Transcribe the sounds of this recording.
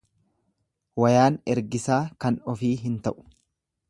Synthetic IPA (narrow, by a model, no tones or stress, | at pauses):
wɐjaːnɛɾɡɪsaːkɐnɔfiːɦɪnt̪ɐʔʊ̥